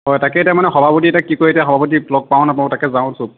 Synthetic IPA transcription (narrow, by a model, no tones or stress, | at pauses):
ɦɔjtakɛtamanɛxɔbʱapotiɛtakːikoɹetijaxɔbʱapot̬ilɔɡ̚paw̃napɔ̃takɛzaʊ̃sub